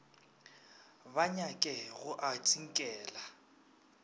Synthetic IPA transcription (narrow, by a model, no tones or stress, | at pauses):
baɲakʼɛɣʊʔatʼiŋ̩kʼɛːla